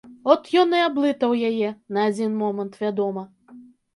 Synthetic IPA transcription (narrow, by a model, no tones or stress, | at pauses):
ɔt̪jɔnɨablˠɨt̪ɐwjajɛnɐːd͡zʲinmɔmɐnt̪vʲad̪ɔmɐ